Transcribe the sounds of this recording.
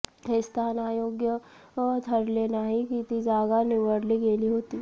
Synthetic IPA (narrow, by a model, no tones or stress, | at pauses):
ɦɪst̪aːnaːjoːɡjə | t̪ʰəɾleːnaɦikit̪id͡ʒaːɡanɪʋəɾliɡeːliɦoːt̪iː